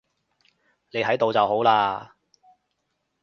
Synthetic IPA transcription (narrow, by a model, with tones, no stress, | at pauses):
ne˨˧jɦɐ˨˥jt̪o˨wt͡sɐ˨wɦo˨˥wlaː˧